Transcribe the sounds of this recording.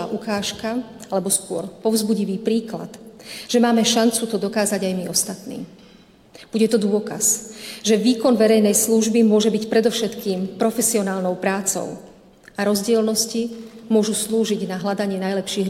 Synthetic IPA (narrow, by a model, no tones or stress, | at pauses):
aːʔukaːʃkaalɛbɔskʊɔ̰ɾpɔvzbuɟiʋiːpɾiːkla̰t̪ʒ̥ɛmaːmɛʃant͡sut̪ɔd̪ɔkaːzaɟajmiɔst̪at̪nḭː | b̥uɟɛt̪ɔd̪ʊɔka̰sʒɛʋiːkɔnʋɛɾɛjnɛjsluʒbimʊɔʒɛbicpɾɛd̪ɔfʃɛt̪kiːmpɾɔfɛsiɔnaːlnɔʊpɾaːt͡sɔ̰ʊ | aɾɔzɟɪɛlnɔscimʊɔʒusluːʒiɟnaɦlad̪aɲɪɛnajlɛpʃiːɦ